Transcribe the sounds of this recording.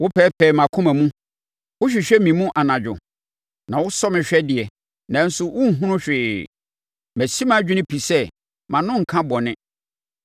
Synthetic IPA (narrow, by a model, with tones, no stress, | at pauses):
wʊ˦pʰɛː˦pʰɛː˨mã˨kʰʊ̃˦mæ̃˨mũ˦ | wʊ˦ɕᶣi˨ɕᶣɛ˦mĩ˨mũ˦ʔa˨nã˨d͡ʑᶣʊ̰˨ | nã˨wʊ˦sɔ˦mɪ̃˨ɕᶣɛ˦dɪ˨ɛ˨ | nã˨˦n̩˦sʊ˦wʊ˦ŋ̩˨ɦũ˦nʊ̃˦ɕᶣɪː˨ | mæ˨si˦mã˦˨d͡ʑᶣɪ˦nɪ̃˦pʰi˨sɛ˦ | mã˨nʊ̃˦ŋ̩˨kʰã˦bɔ˨nɪ̃˦